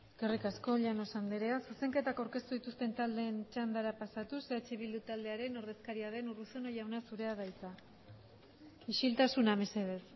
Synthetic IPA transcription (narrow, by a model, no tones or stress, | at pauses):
ekerikasko̞ʎano̞sand̪eɾe̞asuse̞ŋke̞t̪akawɾke̞st̪uðit̪ust̪e̞nt̪ald̪e̞nt͡ʃand̪aɾapasat̪useat͡ʃeβild̪ut̪ald̪e̞aɾe̞no̞ɾðe̞skaɾiað̞e̞nuruseno̞jawnasuɾe̞aðajt͡sa | iʃilt̪asuname̞se̞ð̞e̞s